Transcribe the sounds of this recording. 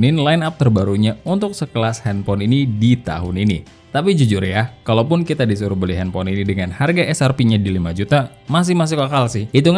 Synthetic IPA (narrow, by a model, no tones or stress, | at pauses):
nɪnlaɪnap̚t̪ərbaɾuɲaunt̪ʊksəkəlashɛnpɔninidit̪a̰ɦʊninḭ | t̪apid͡ʒud͡ʒʊrjakalawpʊnkit̪adisuɾʊbəliɦɛnpɔninidəŋanharɡaʔɛsarpiɲadilimad͡ʒut̪a | mas̬ɪhmas̬ɪhkakalsɪhit̪uŋ